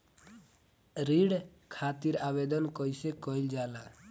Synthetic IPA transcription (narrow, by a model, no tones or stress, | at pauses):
ɾiɽkʰat̪iɾabed̪ɔnkɔjsekɔild͡ʒala